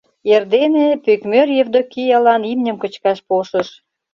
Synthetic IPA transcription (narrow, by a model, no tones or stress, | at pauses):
erd̪enepykmørjevd̪okijɑlɑnimnʲə̆mkət͡ɕkɑʃpoʃəʃ